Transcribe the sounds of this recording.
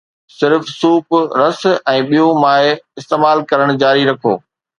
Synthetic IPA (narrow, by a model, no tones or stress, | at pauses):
sɪɾfsuːpɾɐsɛ̃ːɓijõmaːeɪst̪eːmaːlkɐɾəɽ̃d͡ʑaːɾiɾɐkʰo̰ː